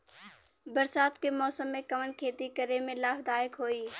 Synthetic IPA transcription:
bəɾsaːt̪kemɔːsəmːẽkəmənkʰeːt̪ikəɾemẽlaːfd̪aːɪkɦoːiː

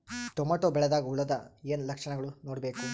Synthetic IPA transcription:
t̪omaːʈoːbɛɭɛd̪aːɡɐuɭɐd̪ɐeːnlɐkʂɐɳɐɡɐɭunoːɽbe̞ːku

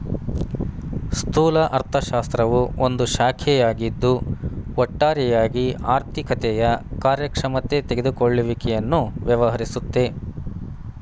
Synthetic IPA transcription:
st̪ʰuːlɐʔɐɾt̪ʰɐʃaːst̪ɾɐʋuʔond̪uʃaːkʰɛjaːɡid̪ːuɔʈːaːɾɛjaːɡiaːɾt̪ʰikɐt̪ɛjɐkaːɾjɐkɾɐmɐt̪ːe̞t̪eɡed̪ukoɭːuʋikɛjɐnːuʋjɐʋɐɦɐɾisut̪ːe̞

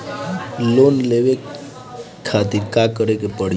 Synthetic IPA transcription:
lonleʋe | kʰat̪iɾkakəɾekepəɽ

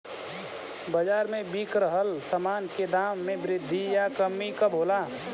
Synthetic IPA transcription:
bəd͡ʒaːɾmẽbiːkɾəɦəlsəmaːnked̪aːmːẽbɾɪd̪ʱːijakəmːikəbʱoːlaː

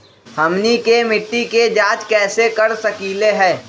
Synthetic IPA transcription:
hɐmnikemɪʈːiked͡ʒaːt͡ʃkɛːsekɐɾsɐkiːleɦɛ̃ː

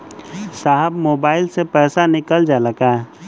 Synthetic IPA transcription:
saːɦəbmoːbaːɪlsepɛːsanɪkəld͡ʒaːləkaːɦ

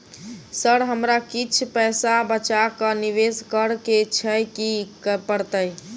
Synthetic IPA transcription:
səɽɦəmɾakit͡ʃʰpəjsabət͡ʃakəniʋeskəɾket͡ʃʰəjkikəpəɾt̪əj

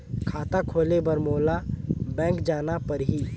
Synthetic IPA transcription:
kʰaːt̪akʰoːlebəɾmoːlabɛ̃ːkd͡ʒaːnapəɾɦi

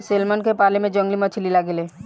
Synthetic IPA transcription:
seːlmənkepaːlemẽd͡ʒə̃ŋɡlimət͡ʃʰlilaɡeleː

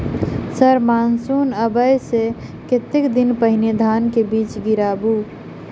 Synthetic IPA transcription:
səɾmaːnsuːnəbəjse | ket̪ekd̪ɪnpəɦɪned̪ʱaːnkebiːt͡ʃɡɪɾaːbu

